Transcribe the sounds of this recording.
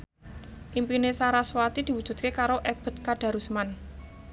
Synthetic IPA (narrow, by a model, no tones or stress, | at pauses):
ʔimpinesaɾaswat̪id̪̥i̤wud̥ʒ̥ṳt̪̚kekaɾoʔeb̥ə̤t̪̚kaɖ̥a̤ɾusman